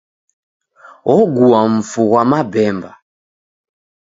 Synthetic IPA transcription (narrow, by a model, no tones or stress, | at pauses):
ɔɡuaɱ̩fuɣwamabɛmba